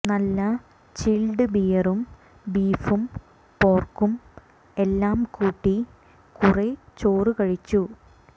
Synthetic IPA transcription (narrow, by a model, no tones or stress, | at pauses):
nɐlːɐ | t͡ɕilɖɨbijɐrum | biːfum | po̞ːrkum | e̞lːaːmkuːʈːi | kuret͡ɕoːrɨkɐɻit͡ɕːu